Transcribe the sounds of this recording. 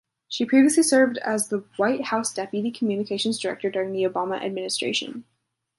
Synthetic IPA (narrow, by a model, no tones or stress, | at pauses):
ʃipʰɹ̥iviɨslisɜ˞vdɨ̰zðəwaɪt̚haʊsd̥ɛpjɨɾikʰmjʉnɨkʰeɪʃɨ̃nzdə˞ɛ̰k̚tə˞dʊɹɪ̃ŋðioʊbɑmə̰ʔɨ̰d̚mɪ̃nɨstɹ̥ḛɪʃɨ̰̃n